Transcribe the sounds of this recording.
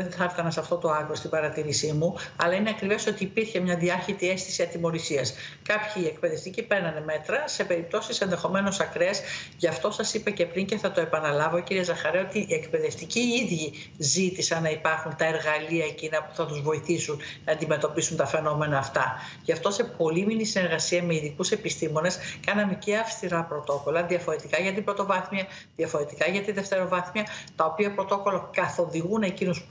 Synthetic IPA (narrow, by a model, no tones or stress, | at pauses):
eθɐft̪ɐnɐsɐft̪o̞t̪o̞ɐɣɾost̪ibɐɾɐt̪iɾisimuɐ̰lɐine̞ɐkɾive̞so̞t̪iːpiɾçe̞mɲɐðiɐçit̪ie̞st̪i̥siɐt̪imo̞ɾisiɐskɐpçiːe̞k̚pe̞ðe̞ft̪icipeɾnɐneme̞t̪ɾɐse̞pe̞ɾip̚t̪o̞sise̞nðe̞xo̞me̞nosɐkɾesʝɐft̪o̞sɐsipɐce̞pɾiɲceθɐt̪oe̞pɐnɐlɐvoociɾiezɐxɐɾeo̞t̪iʔie̞kpe̞ðe̞ft̪iciiðʝi | zit̪isɐnːɐipɐɾxunt̪ɐe̞ɾɣɐliɐecinɐpu̥θɐt̪uzvo̞iθisunnɐːnd̪ime̞t̪o̞pisunt̪ɐfe̞no̞me̞nɐːft̪ɐ | ʝɐft̪o̞se̞po̞liminisine̞ɾɣɐsiɐme̞iðikuse̞pist̪imo̞ne̞skɐnɐmece̞ɐfst̪iɾɐpɾo̞t̪o̞ko̞lɐðiɐfo̞ɾe̞t̪ikɐʝɐt̪ibɾo̞t̪o̞vɐθmjɐ | ðjɐfo̞ɾe̞t̪ikɐʝɐt̪iðe̞ft̪e̞ɾo̞vɐθmjɐt̪ɐo̞piɐpɾo̞t̪o̞ko̞lokɐθo̞ðiɣune̞cinus